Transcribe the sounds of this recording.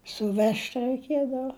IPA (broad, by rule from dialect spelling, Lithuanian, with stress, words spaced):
sʊˈʋʲɛʃʲtʲ rɐɪˈkʲiɛdɐʋɐ